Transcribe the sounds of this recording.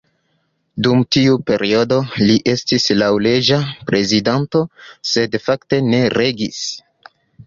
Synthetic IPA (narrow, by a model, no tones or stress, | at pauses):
dumtiupe̞ɾʔio̞do̞liʔe̞stislawle̞d͡ʒapɾe̞zidanto̞se̞dfakte̞ne̞ɾe̞ɡis